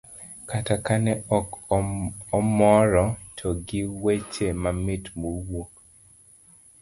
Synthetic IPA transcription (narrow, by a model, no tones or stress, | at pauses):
katakanɛɔk | ɔmɔɾɔtʰɔɡɪwet͡ʃemamɪtmowok